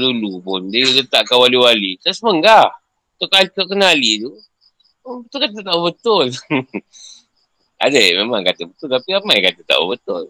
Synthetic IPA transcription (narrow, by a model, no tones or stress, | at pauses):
dulupʊndəjulət̪aʔkawaliwalit̪asməŋɡah | t̪okalikəkənalid̪u | bət̪ʊlkat̪at̪aʔubət̪ʊl | a̰dəmemaŋkat̪əbət̪ʊlt̪apiamakat̪ət̪a̰ʔṵbət̪ʊl